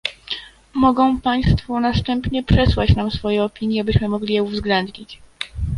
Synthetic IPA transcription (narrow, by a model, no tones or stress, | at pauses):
mɔɡɔ̃w̃paj̃st̪funast̪ɛmpɲɛpʂɛswat͡ɕnamsfɔjɛɔpʲiɲjɛabɘɕmɘmɔɡlʲijɛuvzɡlɛnd̪ɲit͡ɕ